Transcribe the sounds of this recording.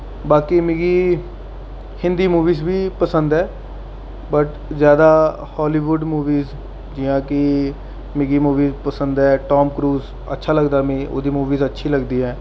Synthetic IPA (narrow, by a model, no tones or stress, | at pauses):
baːkiːmɪɡiː | hɪ̃nd̪iːmuːʋiːzbiːpəsə̃nd̪ɦɛː | bəʈ | zjaːd̪aː | hɔːliːʋʊɖmuːʋiːz | d͡ʒɪjãːkɪ | mɪɡiːmuːʋiːzpəsə̃nd̪ɦɛːʈɔːmkɾuːz | ə̰tːʃʰaːləɡd̪aːmĩːʔo̰ːd̪iːmuːʋiːzətːʃʰiːləɡd̪iːɦɛː